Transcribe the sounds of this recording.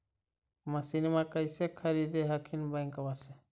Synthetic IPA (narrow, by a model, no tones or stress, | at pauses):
məsinmãkəɪsekʰəɾid̪eɦɐkʰinbə̃ɪŋkwase